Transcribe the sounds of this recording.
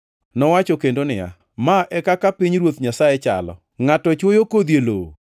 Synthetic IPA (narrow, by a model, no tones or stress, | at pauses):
nɔwat͡ʃɔkendonɪja̰ | maʔɛkakapiɲɾwot̪ɲasajet͡ʃa̰lɔ̰ | ŋatɔt͡ʃwojokod̪jelo̰